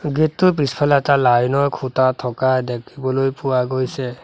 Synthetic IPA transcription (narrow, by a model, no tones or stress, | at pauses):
ɡitːʊpispʰɛlɛtalajnɔɹkʰutatʰɔkadekʰibɔlojpuwaɡojsɛ